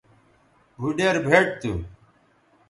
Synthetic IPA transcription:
bʱuɖeɾbʱeːʈ̚t̪u

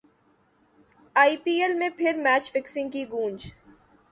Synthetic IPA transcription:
aːipiːelmẽpʰɪɾmɛːt͡ʃfɪksɪ̃ŋɡ̚kiɡũːnd͡ʒ

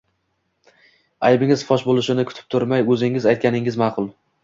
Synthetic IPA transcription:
ajbɪŋɪzfɒʃbolˠɪʃɪnɪkʰʊt̪ʰɪ̥p̚t̪ʰʊɾmajɵzɪŋɪzajt̪̚kʲanɪŋɪzmɑːqʰʊlˠ

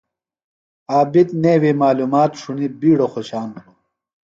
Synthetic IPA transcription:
aːbid̪neːwimaːluːmaːt̪ʂunibiːɽoxoɕaːnu

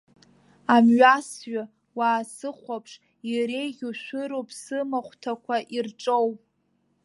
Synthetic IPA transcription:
amɥasɥa | waːsɨχʷapʰʂ | iɾejɡʲuʃʷᶣɨɾowpʰsɨmaχʷtʰakʷʰaʔirʈ͡ʂʼowpʼ

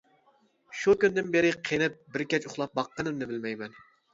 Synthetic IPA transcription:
ʃukʲynd̪ɪnbeɾɪqʰenɪp̚bɪɾkʲɛt͡ʃʊχlˠɑp̚bɑqːənɨmnɨbɪlmɛjmɛn

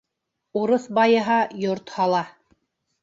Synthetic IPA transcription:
uɾɤθbɑjɤ̆ɦɑjoɾt̪hɑlˠɑ

